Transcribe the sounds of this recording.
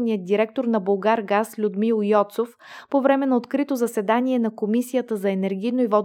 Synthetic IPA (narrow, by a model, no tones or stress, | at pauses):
nijəd̪̚d̪ːiɾɛk̚t̪oɾnɐbolˠɡaɾɡaslʲʊd̪milˠjɔt̪sof | povɾɛmɛnɐot̪kɾit̪ozɐsɛd̪aniɛnɐkomisijət̪əzɐɛnɛɾɡ̟ʲijnoivɔd̪